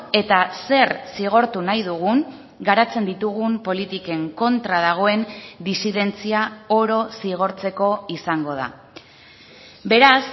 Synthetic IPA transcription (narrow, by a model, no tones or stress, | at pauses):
e̞t̪ase̞ɾsiɣ̞o̞ɾt̪unajðuɣ̞uŋ | ɡaɾat͡se̞nd̪it̪uɣ̞umpo̞lit̪ike̞ŋko̞nt̪ɾaðaɣ̞o̞e̞nd̪isiðe̞nt͡siao̞ɾo̞siɣ̞o̞ɾt͡se̞ko̞isaŋɡo̞ð̞a̰ | be̞ɾas